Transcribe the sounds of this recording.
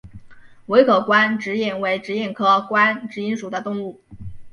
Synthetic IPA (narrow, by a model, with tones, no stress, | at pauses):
we˧˥ɪkʰɤ˨˩kwa˥nʈ͡ʂɻ̩˧˥jɛ˥˩nwe˧˥ɪʈ͡ʂɻ̩˧˥jɛ˥˩nkʰɤ˥kwa˥nʈ͡ʂɻ̩˧˥i˥nʂu˨˩d̪ə˦t̪ʊ˥˧ŋu˥˩